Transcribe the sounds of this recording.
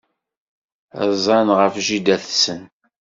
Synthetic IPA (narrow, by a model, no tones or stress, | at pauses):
ə̰zˤɑnʁəfʒid̪æθsən